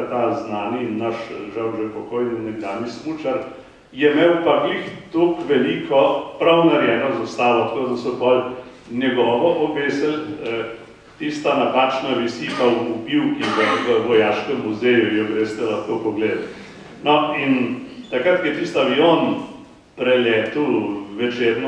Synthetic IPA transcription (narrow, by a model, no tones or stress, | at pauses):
t̪aznaːninːaʃʒawʒɛpɔkoːjninɛɡd̪aːnismut͡ʃaɾ | jɛmɛwpaɡlixt̪oːkʋɛliːkʰɔpɾawnaɾjɛːnɔzast̪aːʋɔt̪kod̪ɐsɔpɔl | njɛɡɔːʋɔʔɔʋeːsɛl | t̪ist̪anapaːt͡ʃnaʋisipawpupiwkiʋɛnʋəʋɔjaːʃkɛmːuzejujɔɡɾest̪ɛlɐxkopɔɡleːd̪ | nɔint̪akɾat̪kɛt̪ist̪aʋion | pɾɛlɛːt̪uwʋɛt͡ʃeːɾnɔ